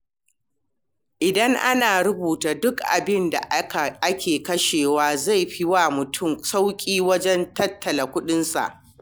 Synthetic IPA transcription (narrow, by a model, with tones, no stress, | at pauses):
ʔɪ˨dɐ˦ŋʔa˦naː˨ɾʊ˦buː˨taː˨dʊ˦kʔa̰˨bɪ˦nda̰˨ʔa˨ʔa˦kʲʰeː˨kɐ˦ʃeː˨waː˦za˦˨jɸi˦wa˨mʊ˨tʰʊ˦msa˦wkʲʼiː˦wɐ˦d͡ʒɛ˦ntɐ˦tʰːɐ˨la˨kʷʊ˦ɗɪ˦nsa̰˨ʔ